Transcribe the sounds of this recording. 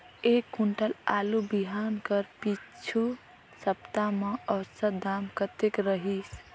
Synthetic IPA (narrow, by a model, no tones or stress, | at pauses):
ekːuɳʈəlalubiɦankəɾpit͡ʃʰu | səpt̪ameəwsəɾd̪amkət̪ekɾəɦis